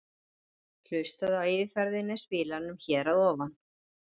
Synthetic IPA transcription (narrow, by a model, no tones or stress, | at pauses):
l̥œɥst̪aðawɪvɪfɛɾðɪnːɛspɪːlanʏmçɛːɾaðɔːvan